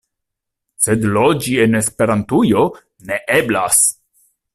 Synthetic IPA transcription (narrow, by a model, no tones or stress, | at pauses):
sed̪lod͡ʒienespe̞ɾant̪ujo̞ | neʔeblas